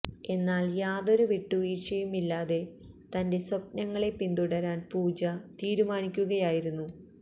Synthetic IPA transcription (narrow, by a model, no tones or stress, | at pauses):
e̞nːaːljaːðo̞ɾuʋiʈːuʋiːʂɐjumilːaːðe̞ | t̪ɐnde̞sop̚nɐŋːɐɭe̞pːind̪uɽɐɾaːnpuːd͡ʑɐt̪iːɾumaːnikʲːuɣɐjaːjiɾunːu